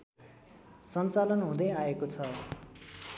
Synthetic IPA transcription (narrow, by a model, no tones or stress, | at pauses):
sʌnt͡salʌnɦũd̪ʌjaekot͡sʰʌ